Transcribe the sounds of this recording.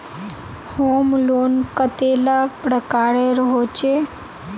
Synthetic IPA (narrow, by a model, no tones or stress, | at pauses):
homloːnkət̪elapɾəkaɾeɾəɦot͡ʃʰe